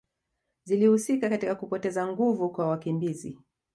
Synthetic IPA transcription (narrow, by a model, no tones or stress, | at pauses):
zilihusikakatikakupɔtɛzaŋɡuvukwawakimbizḭ